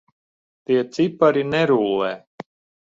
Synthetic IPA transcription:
t̪iɛt̪sipaɾinɛɾuːlˠɛː

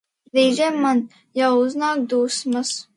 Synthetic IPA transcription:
ɾiːzʲɛmːan | jawuznaːkd̪uːsmas

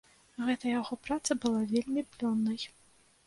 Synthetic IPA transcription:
ɣɛt̪ɐjaɣɔpɾat̪sɐbɨlˠavʲelʲmʲiplʲɔnːɐj

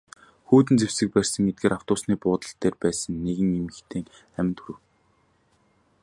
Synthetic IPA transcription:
xuːt̪̬ɘ̆nt͡sewsɘ̆k̚pærʲsə̆ŋet̪̚ɡeːɾaw̥t̪ʊːsniːpʊːt̪ə̆ɬt̪eːrpæːsə̆nːeɣɘ̆ŋemɘ̆xt̪ʰeːŋ | æmʲnt̪ʰuɾɘ̆w

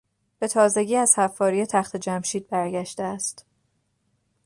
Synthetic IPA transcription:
b̥e̞t̪ʰɒːze̞ɟiːæz̥hæfːɒːɾijet̪ʰæxt̪ʰe̞d͡ʒæmʃiːd̪̚bæɾɟæʃt̪eæst̪

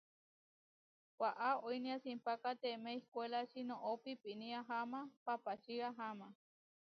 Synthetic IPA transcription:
wʷaʔaojnĩasimpakat̪emeihkʷelaʃinõʔopipinĩaɦamapapaʃiaɦama

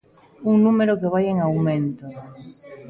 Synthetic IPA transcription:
uŋnumeɾokeβ̞ajeŋawmẽnt̪o

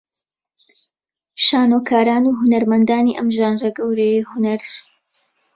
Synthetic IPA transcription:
ʃaːnokʰaːɾaːnuɦʊnɐɾmɐnd̪aːniːʔɐmʒaːnrɐɡɐwɾejhʊnɐɾ

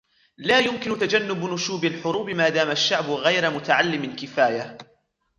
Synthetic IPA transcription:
laːjʊmkɪnʊt̪ad͡ʒanːʊbnʊʃuːbalħʊɾuːbɪmaːd̪aːmaʃːaʕbʊɣajɾmʊt̪aʕalːɪmalkɪfaːja

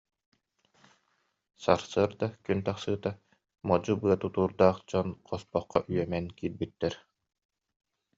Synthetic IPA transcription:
sa̰ɾsɯɾd̪akynt̪aχsɯːt̪a | mɔd͡ʑubɯɐt̪ut̪uːɾd̪aːχd͡ʑɔnqʰɔspɔqːɔ̰ʔyjɛmɛnkiːɾbyt̪ːɛɾ

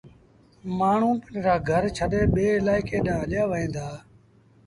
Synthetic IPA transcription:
maːɳ̤ũːpənɾaːɡʱəɾt͡ʃʰəɗeːɓeːɪlaːɪkeːɗãːəɗjaːʋəɦĩːnd̪aː

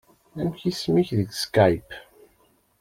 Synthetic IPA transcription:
æmçismiçðəɡskajp

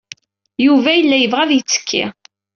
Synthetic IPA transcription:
juvæjəlːæjəvʁæðjət͡sːə̥kʰːḭ

